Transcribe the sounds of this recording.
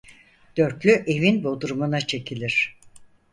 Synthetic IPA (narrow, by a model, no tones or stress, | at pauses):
d̪̥ø̞ɾklʲyʔe̞vinbod̪uɾumunat͡ʃʰe̞cʰilʲiɾ̥